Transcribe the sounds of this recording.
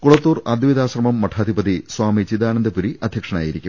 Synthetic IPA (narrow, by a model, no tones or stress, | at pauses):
kuɭɐt̪ːuːrɐd̪ɐʋid̪aːɕrɐmɐmːɐʈʰaːd̪ʱibɐd̪iswaːmit͡ɕid̪aːnɐnd̪ɐpuɾiʔɐd̪ʱjɐkʂɐna̰ːjiɾikʲːu